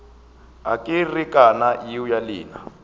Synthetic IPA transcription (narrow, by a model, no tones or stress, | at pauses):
a̰kʼirikʼanajiujaliːna̰